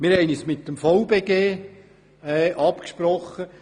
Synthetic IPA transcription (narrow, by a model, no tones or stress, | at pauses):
mɪɾhɛɪnismɪt̚dəmfɔwbeːɡeː | ɛːʔɑpkʃpɾɔχːə